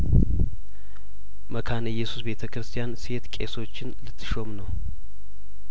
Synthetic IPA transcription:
məkʰanɨjːɛsusbe̞t̪ʰəkɾɨst̪ʰijanse̞t̪kʼe̞̰so̞t͡ʃːɪnlɨt̪ʰːɨ̥ʃo̞mnəw

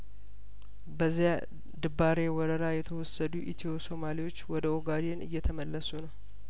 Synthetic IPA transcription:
bəzːija | d̪ɨbaɾewɔɾəɾajɛt̪ʰəwɔsːəd̪uʔit̪ʰioso̞maliwo̞t͡ʃːwɔd̪əoɡad̪enʔɨ̰jːɛt̪ʰəməlːəsunəw

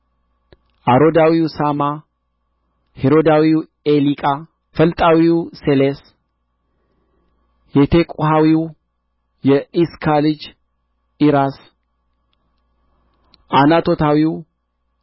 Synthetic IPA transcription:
ʔaɾod̪awiwsama | heɾod̪awiw | elikʼa | fəlt̪ʼawiwseles | jɛt̪ʰekʼuɦawiw | jɛiskʰalɨd͡ʒ | iɾas | anat̪ʰo̞t̪awiw

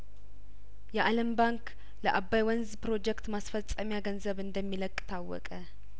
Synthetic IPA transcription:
jɛʔaləmbaŋk | ləʔabːajwɔnzpɾo̞d͡ʒɛkt̪masfəsʼəmjaɡənzəβɨnd̪əmːiləkʼːt̪ʰawːɔ̰kʼə

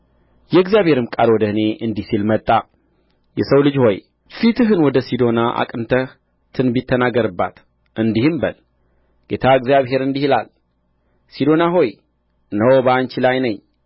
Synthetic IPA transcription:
jɛɨɡzijaβhe̞ɾɨmkʼalwɔd̪əhɨne̞ʔɨnd̪isilmət̪ʼːa | jɛsəwlɨd͡ʒho̞j | fit̪ɨɦɨnwɔd̪əsid̪o̞naʔa̰kʼɨnt̪ʰəh | t̪ʰɨnbit̪ʰːənaɡəɾɨbːa̰t̪ | ɨnd̪ihɨmbəl | ɡ̥e̞t̪ʰaɨɡzjaβɦe̞ɾɨnd̪ihɨla̰l | sid̪o̞naɦo̞j | nəwbəant͡ʃilajnəɲ

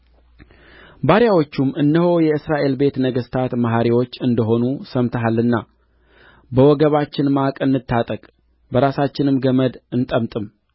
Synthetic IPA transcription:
baɾjawo̞t͡ʃːumːɨnːəho̞jɛɨsɾaʔe̞lbe̞t̪nəɡəst̪ʰat̪maɦaɾiwo̞t͡ʃːɨnd̪əɦo̞nusəmt̪ʰəɦalːɨnːa | bəwɔɡəβat͡ʃːɪnmakʼɨnːɨt̪ːat̪ʼəkʼ | bəɾasat͡ʃːɪnɨmɡəməd̪ɨnt̪ʼəmt̪ʼɨm

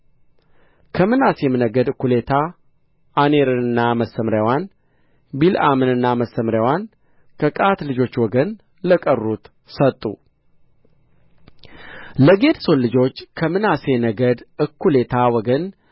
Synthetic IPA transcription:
kʰəmɨnasemɨnəɡəd̪ɨkʰːule̞t̪ʰa | aneɾɨnɨnːaməsːəmɾjawan | bila̰mɨnɨnːaməsːəmɾwan | kʰəkʼat̪lɨd͡ʒo̞t͡ʃːwɔɡən | ləkʼərːut̪ | sət̪ʼːṵ | ləɡe̞d̪so̞nlːɨd͡ʒo̞t͡ʃːkʰəmɨnasenəɡəd̪ɨkʰːule̞t̪ʰawɔɡən

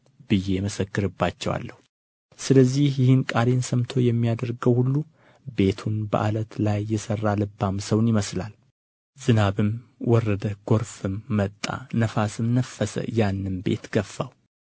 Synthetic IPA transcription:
b̥ɨje̞məsəkːɨɾɨbːat͡ʃːɛwa̰lːəhu | sɨləzːihjɪhɨnkʼaɾe̞nsəmt̪ʰo̞jɛmːijad̪əɾɡəwhulːu | be̞t̪ʰunbə̰ʔa̰lət̪lajːɛsərːalɨbːamsəwnjɪməslal | zɨnaβɨmwɔrːəd̪əɡ̥o̞ɾfɨmːət̪ʼːa̰nəfasɨmnəfːəsə̰janːɨnbe̞̰t̪ɡ̥əfːaw

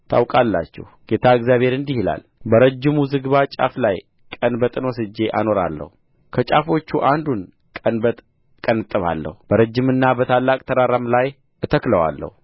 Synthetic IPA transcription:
t̪ʰa̰wkʼalːa̰t͡ʃːɛ̰hɡ̥et̪ʰaɨɡzjaβhe̞ɾɨnd̪ihla̰l | bəɾəd͡ʒːɪmuzɨɡβat͡ʃʼa̰flaj | kʼənbət̪ʼɨnwɔsɨd͡ʒːe̞ʔano̞ɾa̰lːə̰hu | kʰət͡ʃʼafo̞t͡ʃːuʔand̪un | kʼənbət̪ʼ | kʼənɨt̪ʼːɨβa̰lːə̰hubəɾəd͡ʒːɪmɨnːabət̪ʰalːakʼt̪ʰəɾaɾamlaj | ʔɨt̪ʰəkləwa̰lːə̰hu

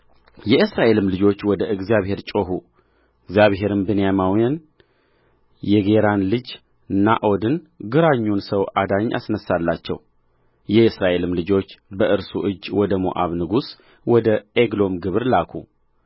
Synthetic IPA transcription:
jɛɨsɾaʔe̞lɨmlɨd͡ʒo̞t͡ʃːwɔd̪əʔɨɡzijaβhe̞ɾt͡ʃʼo̞ɦu | ɨɡzjaβɦe̞ɾɨmbɨnjamawjan | jɛɡe̞ɾanlɨd͡ʒ | na̰ʔo̞d̪ɨn | ɡɨɾaɲːunsəwʔad̪aɲːʔa̰snəsːalːat͡ʃːɛ̰w | jɛɨsɾaʔe̞lɨmlɨd͡ʒo̞t͡ʃːbəʔɨɾsuʔɨd͡ʒːwɔd̪əmo̰ʔa̰βnɨɡus | wɔd̪əeɡlo̞mɡɨβɨɾlakʰṵ

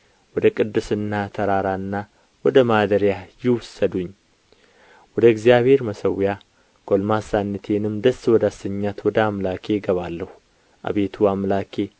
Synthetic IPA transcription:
wɔd̪əkʼɨd̪ːɨsɨnːat̪ʰɐɾaɾaɨnːa | wɔd̪əmad̪əɾjajɪwʊsːəd̪uɲː | wɔd̪əɡzijabhe̞ɾmɐsəwja | ɡ̥ʼolmasanːɨt̪ʰenɨmd̪əsːwɔd̪asːəɲːat̪wɔd̪əamlakʰe̞ɡəβalːəhu | ʔa̰βet̪ʰuamlakʰe̞

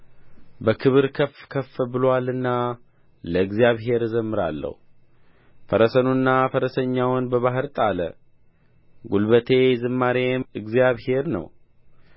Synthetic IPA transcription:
bəkʰɨβɨɾkʰəfkʰəfːbɨlwalɨnːa | ləɨɡzjaβɦe̞ɾzəmːɨɾa̰lːə̰hu | fəɾəsənunːafəɾəsəɲːawnbəβaɦɨɾt̪ʼalə̰ | ɡulbət̪ʰe̞zɨmːaɾe̞ɨɡzijaβhe̞ɾnə̰w

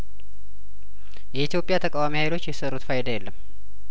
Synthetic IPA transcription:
jɛit̪jo̞pʼjat̪ʰəkʼawamihajlo̞t͡ʃːjɛsəɾut̪fajd̪ajɛlːəmː

